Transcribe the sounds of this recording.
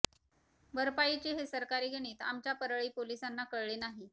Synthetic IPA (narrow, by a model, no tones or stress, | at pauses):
bəɾpait͡ɕeɦesəɾkaɾiːɡəɽ̃iːt̪a̰mt͡ɕjapəɾəɭiːpolisanːakəɭɭenaɦi